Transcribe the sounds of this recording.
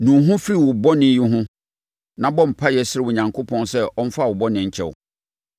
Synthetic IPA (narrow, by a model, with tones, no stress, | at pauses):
nũ˨˦ɦʊ̃˦fi˦ɾi˨wʊ˨bɔ˦nɪ̃˦jɪ˦ɦʊ̃˦ | nã˨bɔ˦m̩˨pʰa˦jɛ˨sɪ˦ɾɪ˦wʊ˨ɲã˨ŋkʰo˦pʰɔ̃˦nsɛ˦ɔ˦n̩˦fa˦˨wʊ˨bɔ˦nɪ̃˨ɲ̩˨t͡ɕʰɛ̰˨wʊ̰˨